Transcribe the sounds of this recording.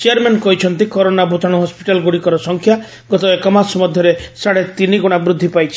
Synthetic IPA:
t͡ʃejaɾmenkɔɦit͡ʃʰɔnt̪ikɔɾonabʱut̪ʰaɽ̃uɦɔspi̥ʈalɡuɽikɔɾɔsɔŋkʰja | ɡɔt̪ɔekɔmasɔmɔd̪ʱjɔɾesaɽet̪iniɡɔɽ̃abɾud̪ʱːipajt͡ʃʰi̥

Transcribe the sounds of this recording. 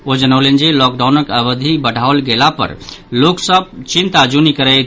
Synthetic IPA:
od͡ʒənəwlend͡ʒelɔk̚ɖawnəkəβəd̪ʱibəɽʱaolɡelapə̰ɾloksəb̚t͡ʃint̪ad͡ʒunikəɾəjt̪ʰ

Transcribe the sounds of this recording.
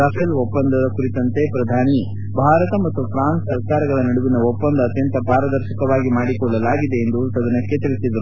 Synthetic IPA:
apʰelopːɐnd̪ɐd̪ɐkuɾit̪ɐnt̪epɾɐd̪ʱaːni | bʱaːɾɐt̪ɐmɐt̪ːupʰɾaːnsɐɾkaːɾɐɡɐɭɐnɐɽuʋinɐopːɐnd̪ɐːt̪jɐnt̪ɐpaːɾɐd̪ɐɾʃɐkɐʋaːɡimaːɽikɔɭːɐlaːɡid̪e̞ːnd̪usɐd̪ɐnɐkːet̪iɭisid̪ɐɾu

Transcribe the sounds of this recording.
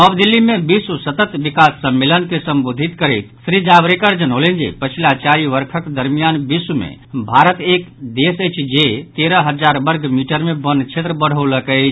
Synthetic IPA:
əbd̪ilːimẽbisusət̪ət̪bikasːəmːelənkesəmbod̪ʱit̪kəɾət̪sɾid͡ʒabɾekəɾd͡ʒənɦolend͡ʒḛpət͡ʃʰilat͡ʃaɾiʋəɾkʰəkd̪əɾmijanbisumḛbʱaɾət̪ekd̪esəjt͡ʃʰd͡ʒet̪eɾəɦəd͡ʒaɾbəɾɡʱmiʈəɾmẽbənt͡ʃʰet̪ɾəbəɽ̤ələkət͡ʃʰ

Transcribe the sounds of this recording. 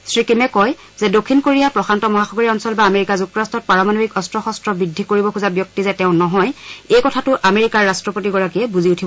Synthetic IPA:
sɹikimɛkɔj | zɛdokʰːinkoɹijapɹɔxʰantɔmɔɦaxɔɡɔɹiɔnsɔlbaːmeɹikazuk̚tɔastʰɔt̚paɹamanobikɔstɹɔxɔstɹɔbɹidʱːikoɹibɔkʰuzabjɔk̚tizɛtɛʊ̃nɔɦɔjejkɔtʰatʊʔameɹikaɹːastɹɔpotiɡɔɹakiɛbuziutʰibɔ

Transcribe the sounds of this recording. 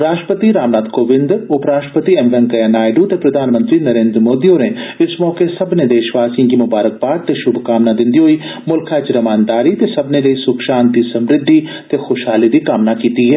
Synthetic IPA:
ɾaːʃʈəpət̪iɾaːmnaːd̪koːʋɪ̃nd̪ʊpɾaːʃʈəpət̪iɛmbɛ̃ŋkɐjanaːjɖut̪epɾɐd̪ʱaːnmə̃nt̪ɾinɐɾẽːnd̪ɾmoːd̪iõneɪsmɔːkesɐbned̪eːʃʋaːsijãkimʊbaːɾək̚baːɾt̪eʃʊbʱkaːmnad̪ɪ̃nd̪iɦoi | mʊlkʰaɪt͡ʃɾɐmaːnd̪aːɾit̪esɐbneleisʊkʃaːnt̪isɐmɾɪd̪ʱːit̪exoːʃɦaːlid̪ikaːmnakiːt̪iɦɛː

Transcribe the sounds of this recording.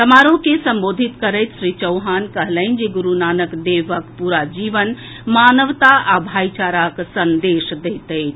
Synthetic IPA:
t̪əmaɾokesəmbod̪ʱit̪kəɾəɪt̪ʃɾit͡ʃəwɦankəɦləɪnd͡ʒeɡuɾunanəkd̪eʋəkpuɾad͡ʒiʋən | manəʋt̪aabʱajt͡ʃaɾaksənd̪esd̪ejt̪əɪt͡ʃʰ

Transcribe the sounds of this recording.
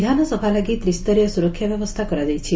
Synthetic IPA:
d̪ʱanɔsɔbʱalaɡit̪ɾist̪ɔɾiɔsuɾɔkʰːjabjɔbɔst̪ʰakɔɾad̪ɛjt͡ʃʰi

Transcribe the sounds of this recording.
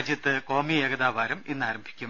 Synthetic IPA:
d͡ʑjɐt̪ːɨko̞ːmieːɡɐðaːʋaːɾuminːaːɾɐmbʱi̥kʲːum

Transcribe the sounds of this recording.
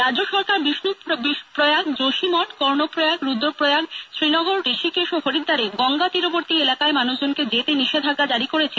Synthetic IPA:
ɾad͡ʑd͡ʑoʃɔɾkaɾbiʃnubiʃpɾojaɡd͡ʑoʃimɔʈkɔɾnopɾojaɡɾud̪ʱːopɾojaɡʃɾinɔɡoɾɾeʃikeʃoɦoɾid̪ːaɾeɡɔŋɡat̪iɾoboɾt̪ielakaemanuʃd͡ʑonked͡ʑet̪eniʃed̪ʱaɡːad͡ʑaɾikoɾet͡ɕʰen

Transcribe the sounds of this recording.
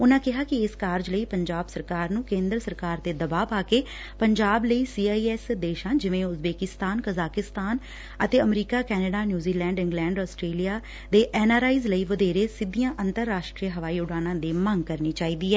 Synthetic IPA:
ʊnãːkɪɦaːkɪɪskaːɾd͡ʒləiːpəɲd͡ʒaːbsəɾkaːɾnũːkẽːnd̪ɾsəɾkaːɾt̪eːd̪əbaːpaːkeː | pəɲd͡ʒaːbləiːsiːaːiːɛːsd̪eːʃãːd͡ʒɪʋẽːʊsbeːkɪst̪aːnkəzaːkɪst̪aːn | ə̰t̪eːəmɾiːkaːkɛːnəɖaːnjuːziːlɛ̃ːɳɖɪ̃ŋɡlɛ̃ːɳɖɔːsʈɾeːlijaː | d̪eːʔɛːnaːɾaːiːzləiːʋəd̪eːɾeːsɪd̪ijãːʔə̃nt̪əɾːaːʃʈɾiəɦəʋaːiːʊɽaːnãːd̪iːmə̃ŋɡkəɾniːt͡ʃaːiːd̪iːɛː

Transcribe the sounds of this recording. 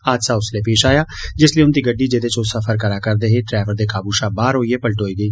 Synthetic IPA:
aːd̪saːʊsleːpeːʃaːjaːd͡ʒɪsləiːʊnd̪iːɡəɖːiːd͡ʒed̪eːt͡ʃosəfʰəɾkəɾaːkəɾd̪eːɦeʈɾɛːʋəɾd̪eːkaːbuːʃaːbaːɾɦoːieːpəlʈɦoːiːɡəiː

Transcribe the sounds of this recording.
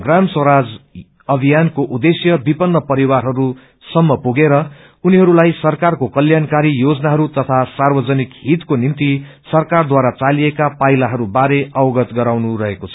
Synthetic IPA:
ɡramswʌɾad͡z | ʌbʱijankoʔud̪esjʌbipʌnːʌpʌɾiwarɦʌɾu | sʌmːʌpuɡeɾʌ | uniɦʌɾulajsʌrkarkokʌljankaɾijod͡zʌnaɦʌɾut̪ʌt̪ʰasarbʌd͡zʌnikɦit̪konimt̪i | sʌrkard̪waɾat͡saliekapajlaɦʌɾubaɾeʔʌwʌɡʌt̪ɡʌɾawnuɾʌɦekot͡sʰʌ̥

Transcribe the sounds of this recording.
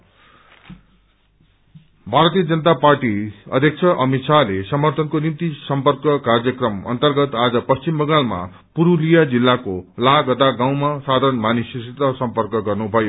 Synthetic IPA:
bʱaɾʌt̪ijʌd͡zʌnʌt̪aparʈiʌ̰d̪ʱjʌk̚t͡sʰʌʔʌmit̪sʰalesʌmʌrt̪ʰʌnkonimt̪isʌmpʌrkʌkarjʌkrʌmʌ̰nt̪ʌrɡʌt̪ad͡zʌpʌst͡ɕimbʌɡalma̰ | puɾulijad͡zilːakolaɡʌd̪aɡaw̃masad̪ʱʌɾʌnmanisisit̪ʌsʌmpʌrkʌɡʌrnubʱʌjo

